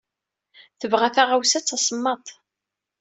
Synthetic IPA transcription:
θəvʁæθaʁawsæt͡sːɑsˤəmːɑt̪ˤ

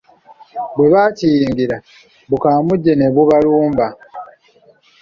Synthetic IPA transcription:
bwe̞βaːtiːŋɡiɾa | βukaːmuɟːe̞ne̞βuβaluːmba

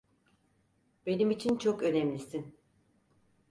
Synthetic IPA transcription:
be̞nimit͡ʃʰint͡ʃʰokø̞nɛmlʲisin

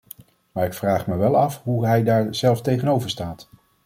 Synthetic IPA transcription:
maːɹɪkfraːχməʋɛlˠɑfɦuɦɛjdaːɹz̥ɛlˠftejχənowvəɹstaːt

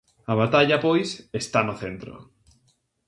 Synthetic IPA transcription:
aβat̪aʎapojsest̪anʊθent̪ɾo̰

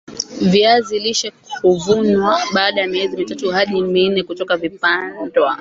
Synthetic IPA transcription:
viaziliʃɛkuvunwaɓaːɗajamiɛzimitatuhaɗiminɛkutɔkavipandwa

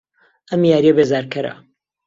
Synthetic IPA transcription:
ʔɐmjaːɾiɐbeːzaːɾkʰɐɾɐ̰

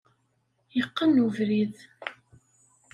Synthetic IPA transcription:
jəqːənuvɾið

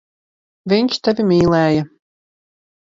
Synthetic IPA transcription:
vʲiɲʲʃt̪avʲimʲiːlˠæːjɐ

